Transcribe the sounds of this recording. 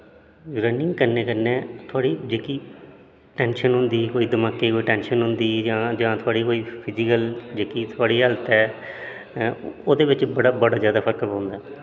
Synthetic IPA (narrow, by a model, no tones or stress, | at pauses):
ɾənɪ̃ŋɡkəɾneːkəɾneːt̪ʰʊaːɽiːd͡ʒeːkiː | ʈɛ̃ːnʃənɦʊ̃nd̪iːkoːiːd̪əmaːkeːkoːiːʈɛːnʃənɦʊnd̪iːd͡ʒãːd͡ʒãːt̪ʰʊaːɽiːkoːiːpʰɪd͡ʒɪkəld͡ʒeːkiːt̪ʰʊaːɽiːɦəlt̪ɛː | oːd̪eːʋɪt͡ʃbəɽaːbəɽaːzjaːd̪aːpʰəɾkpãːnd̪aː